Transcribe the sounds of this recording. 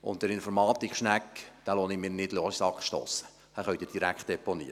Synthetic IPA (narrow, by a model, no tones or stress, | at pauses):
ʊ̰ntdəɾɪnfɔɾmɑːt̪ikχʃnækːd̥aːloːnɪmɪːnɪdloːssɑkχʃto̰ːsə̥ | hæχœɥtdɪd̥iɾækχt̚d̥̪ɛpɔnḭːə